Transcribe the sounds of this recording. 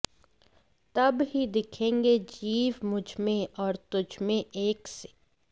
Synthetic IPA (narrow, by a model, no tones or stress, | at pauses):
t̪ɐbɦid̪ɪkʰẽːŋɡed͡ʒiːʋmʊd͡ʒʱmẽɔːɾt̪ʊd͡ʒʱmẽeːkse̥